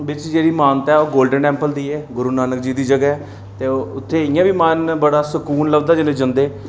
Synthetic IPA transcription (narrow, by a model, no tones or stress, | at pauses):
ʋɪt͡ʃd͡ʒeːɽiːmaːnt̪ɛːoːɡoːlɖənʈɛ̃ːmpəld̪iːɛːɡʊɾuːnaːnək̚d͡ʒiːd̪iːd͡ʒəɡɛːɛː | t̪eːʊt̪ʰːeːɪjãːʋiːmaːnbəɽaːsəkuːnləbd̪aːd͡ʒɪlẽːd͡ʒənd̪eː